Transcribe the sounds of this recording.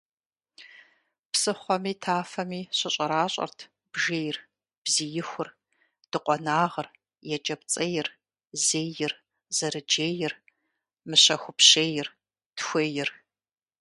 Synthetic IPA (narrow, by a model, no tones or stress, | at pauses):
psɨχʷɔmiːtʰaːfɐmiːɕɐɕʼɐɾaːɕʼɐ̰rtʰ | b̥ʒeːjr | b̥zijɪxʷʊr | d̥ɨqʷʼɔnaːʁɐr | jɛt͡ʃʼɐpt͡sʼɐjɪr | zeːjɪr | z̥ɐɾɨd͡ʒeːjɪr | mɨɕɐxʷʊpɕeːjɪr | txʷeːjɪr